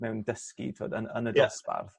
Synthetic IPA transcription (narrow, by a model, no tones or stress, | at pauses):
mɛwndəskḭtʰo̰ːdənənədɛspa̰rð